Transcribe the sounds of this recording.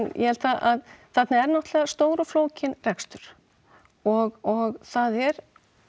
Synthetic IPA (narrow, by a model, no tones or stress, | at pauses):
njʔɛ̰vɛlt̪aʔaðθɛt̪naɛɾnɔht̪lɛːɣast̪oːwɾʏfloːwcɪnrɛkst̪ʏɾ̥ | ɔɣɔɣθaðɛɾ